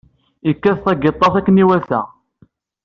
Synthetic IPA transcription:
əkːæθt̪æɡet̪ˤːɑθækːəniwælθæ̰

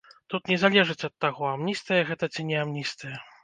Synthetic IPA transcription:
t̪ut̪nʲɛzalʲɛʐɨt͡sʲɐt̪ːaɣɔamnʲist̪ɨjɐɣɛt̪ɐt͡sʲinʲɛamnʲist̪ɨjɐ

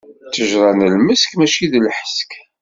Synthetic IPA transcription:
t͡sːəʒɾˤɑnəlməskmæt͡ʃiðlħə̥sk

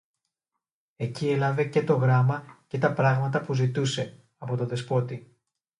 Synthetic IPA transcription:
e̞cielɐve̞ce̞t̪o̞ɣɾɐmɐce̞t̪ɐpɾɐɣmɐt̪ɐpuzit̪use̞ | ɐpo̞t̪o̞ðe̞spo̞t̪i

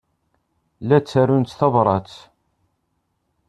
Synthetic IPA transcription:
læt͡sːæɾunt͡s̪θɑvɾˤɑt͡s

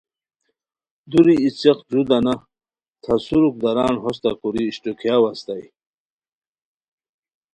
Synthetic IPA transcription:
d̪uɾiːt͡seqd͡ʑud̪ana | t̪ʰasuɾuk̚d̪aɾaːnɦɔs̬t̪akuɾiːɕʈukʰjawast̪aj

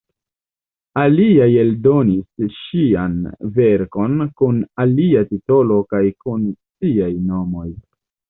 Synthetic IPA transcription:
aliaje̞ldo̞nisʃianve̞ɾko̞nkunaliatito̞lo̞kajkunsiajno̞mo̞j

